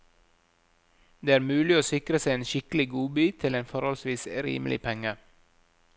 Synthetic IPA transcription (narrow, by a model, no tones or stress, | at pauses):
d̪eːæːɾmʉːlɪoːsɪkɾəseɪeːnʃɪklɪɡuːbyːt̪ʰɪleːnfɔɾhɔlsʋiːsɾḭːməl̩ɪ̰pʰɛŋə